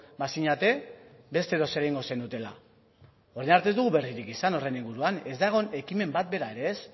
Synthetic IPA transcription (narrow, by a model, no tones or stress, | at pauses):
basiɲat̪e̞ | be̞st̪e̞ðo̞se̞ɾajŋɡo̞se̞nd̪ut̪e̞la̰ | o̞ɾenaɾt̪ezd̪uɣuβe̞riɾikisano̞re̞niŋɡuɾuane̞zd̪aɣ̞o̞ne̞kime̞mbat̪̚be̞ɾae̞ɾe̞ːs